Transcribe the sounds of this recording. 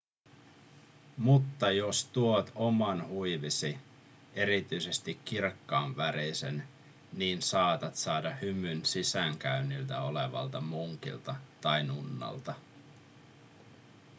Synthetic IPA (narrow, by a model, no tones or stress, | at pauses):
mut̪ːɑjost̪uot̪o̞mɑnhujʋisi | e̞ɾit̪yjse̞st̪ikːirkːɑːnʋæɾisḛn | niːnsɑːt̪ɑt̪sɑːdɑhymynsisæŋk̟æynilt̪æo̞le̞ʋɑ̰lt̪ɑmuŋk̟ḭlt̪ɑt̪ɑjnunːɑ̰lt̪ɑ